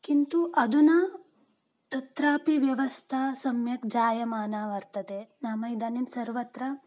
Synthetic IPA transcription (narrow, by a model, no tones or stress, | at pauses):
kint̪uʔɐd̪unɐ | t̪ɐt̪ɾaːpiʋjɐʋɐst̪ʰasɐmjɐkd͡ʒaːjɐmaːnaːʋɐɾt̪ɐd̪enamɐid̪ɐnimsɐɾʋɐt̪ɾɐ